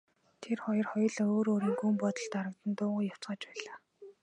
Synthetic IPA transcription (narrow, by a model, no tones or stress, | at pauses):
t̪ʰerχɔjɞ̆rχɔjɞ̆ɮoːɾoːɾiːŋɡumpɔt̪ɞ̆ɬt̪aɾə̆k̚t̪ə̆nt̪ʊːʁʊːjaw̥t͡sɢə̆ːt͡ɕpæːɮaː